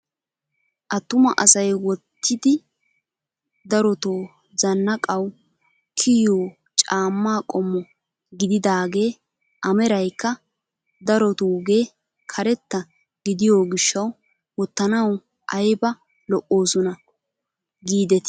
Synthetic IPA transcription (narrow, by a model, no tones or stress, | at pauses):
ʔɐt̪ːʊmɐʔɐsɐjwɔt̪ʰːɪd̪ɪ | d̪ɐɾɔt̪oː | zɐnːɐkʼɐw | kʰɪjoː | t͡ʃʼaːmːaːkʼɔmːɔ | ɡɪd̪ɪd̪aːɡe̞ː | ʔɐmɛɾɐjkːɐ | d̪ɐɾɔt̪uːɡe̞ː | kʰɐɾɛt̪ːɐ | ɡɪd̪ɪjo̞ːɡɪʃːɐw | wɔt̪ːɐnɐw | ʔɐjbɐ | lɔʔo̞ːsɔnɐ | ɡiːd̪ɛt̪ɪ̥